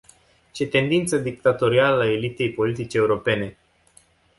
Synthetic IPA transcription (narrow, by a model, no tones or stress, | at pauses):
t͡ʃe̞t̪e̞nd̪int̪səd̪ik̚t̪at̪o̞ɾialəae̞lit̪e̞jpo̞lit̪it͡ʃeeuɾo̞pe̞ne̞